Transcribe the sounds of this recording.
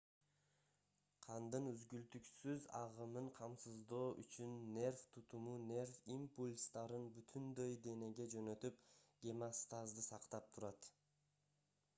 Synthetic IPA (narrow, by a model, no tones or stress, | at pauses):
qʰɑnd̪ɯnyzɡylt̪yksyzɑ̰ʁɯmɯɴqʰɑmsɯzd̪o̞ːʔyt͡ʃynːe̞rft̪ʰut̪umunʲe̞rfimpulʲst̪ɑɾɯnbyt̪ʰynd̪ø̞jd̪e̞ne̞ɡe̞d͡ʒø̞nø̞t̪yp̚ɡʲemast̪azd̪ɯsɑqt̪ɑp̚t̪ʰuɾɑt̪